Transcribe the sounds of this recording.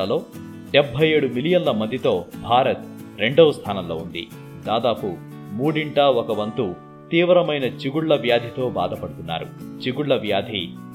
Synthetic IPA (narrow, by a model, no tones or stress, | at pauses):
ɐlo̞ː | ɖebʱːɐje̞ːɽumilijɐnlɐmɐnd̪ʱit̪o̞ːbʱaːɾɐt̪̚ɾe̞ɳɖoːst̪ʰaːnɐmlo̞ːund̪ḭ | d̪aːd̪aːpu | muːɽiɳʈaːɔkɐʋɐnt̪u | t̪iːʋɾɐmɐjnɐt͡ʃiɡuɭːɐʋjaːd̪ʱit̪o̞ːba̰ːd̪ʱɐpɐɽut̪unːa̰ːɾṵt͡ʃiɡuɽːɐʋjaːd̪ʱi